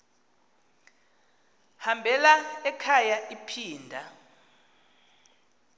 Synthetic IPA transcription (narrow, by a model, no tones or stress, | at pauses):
hambʱɛlaɛkʰajaʔipʰiːndʱa